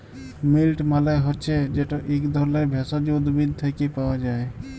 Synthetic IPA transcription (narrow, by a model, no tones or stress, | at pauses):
milʈmalaɦɔtːt͡ʃʰɛd͡ʒeʈɔʔekd̪ʱɔɾleɾbʱɛsad͡ʒud̪bid̪̚t̪ʰəkepawad͡ʒae